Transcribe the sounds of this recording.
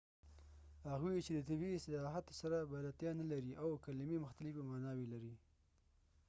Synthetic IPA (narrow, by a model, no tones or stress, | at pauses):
haɣwit͡ʃed̪ət̪abist̪ɪlɑɦat̪o̥saɾabalat̪jɑnalaɾiʔawkalmimʊxt̪alɪfamanɑwilaɾi